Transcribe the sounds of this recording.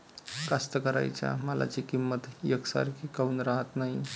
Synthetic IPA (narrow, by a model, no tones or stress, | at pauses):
kast̪əkəɾa̰jt͡ɕja̰məla̰t͡ɕikimːət̪jəksa̰ɾkʰiːkauːnɾaɦət̪naɦi